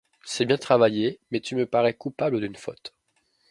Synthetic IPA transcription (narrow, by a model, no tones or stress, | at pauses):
sɛbjɛ̃t̪χavajemɛt̪yməpaʁɛkupabləd̪ynfɔ̰t̪